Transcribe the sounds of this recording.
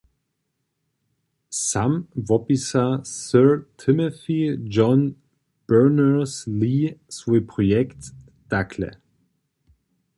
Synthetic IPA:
samvɔpisasœʁtʰɪməθid͡ʒɔn | b̥œnəslisəpʁ̥ɔjɛkt | d̥akʰlə̰

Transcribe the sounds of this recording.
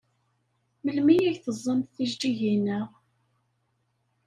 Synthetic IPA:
məlmijæʝθəzˤːəmθθiʒd͡ʒiʝinːəʁ

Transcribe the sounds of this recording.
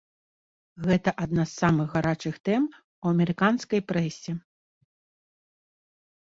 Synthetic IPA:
ɣɛt̪ɐʔad̪nasːamɨɣːaɾat͡ʂɨxt̪ɛm | uwɐmʲɛɾɨkanskɐjpɾɛsʲɛ

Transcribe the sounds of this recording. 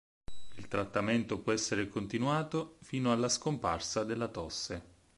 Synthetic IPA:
ilt̪ɾat̪ːament̪opwɔɛsːeɾekont̪inwaːt̪ofiːnoalːaskompa̰rsad̪elːat̪ɔsːe

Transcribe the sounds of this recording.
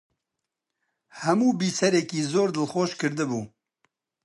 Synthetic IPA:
hɛmuːbiːsɛɾɛkiːzoːɾd̪ɨlxoːʃkɨɾd̪ɨbuː

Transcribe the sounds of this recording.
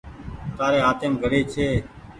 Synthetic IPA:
t̪aːɾeːɦaːt̪eːmɡʱəɽeːt͡ʃʰeː

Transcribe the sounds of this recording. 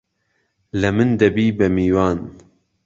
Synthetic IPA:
lɐmɨnd̪ɐbiːbɐmiːwɑːn

